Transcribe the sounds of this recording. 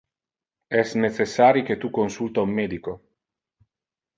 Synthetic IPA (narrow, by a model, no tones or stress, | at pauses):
ɛsnesesːaːɾiket̪ukːonsult̪aumːeːd̪iko